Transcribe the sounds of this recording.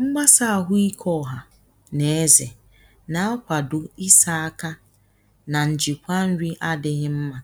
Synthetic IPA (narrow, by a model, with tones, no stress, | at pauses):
ŋ͡m̩˦ɡ͡ba˦sa˦a˨ɦʊ˦i˦kʰɔ˦˨ɦa˨ | ne˨e˦ze˨ | na˦a˦kʷa˨dʊ˨i˦sa˦a˦ka˦ | na˨n̩˨d͡ʒi˨kʷa˦n̩˦ɾi˦ʔa˦dɪ˦ɣɪ˦m̩˦ma˨